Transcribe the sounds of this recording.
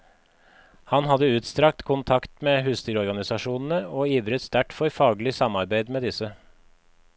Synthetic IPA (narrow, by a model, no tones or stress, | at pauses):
hɑnhɑd̪əʉːt̪st̪ɾɑk̚t̪kʰʊnt̪ʰɑkt̪meːhʉːst̪ʰʏɾɔɾɡɑnɪsɑʃuːnn̩əoːiːʋɾət̪st̪ʰæʈfɔɾfɑːɡlɪsɑmɑɾbeɪd̪meːd̪ɪsə